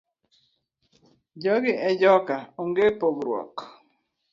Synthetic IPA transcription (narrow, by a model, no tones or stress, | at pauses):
d͡ʒɔɡɪʔɛd͡ʒɔkaoŋɡepoɡɾwɔ̰k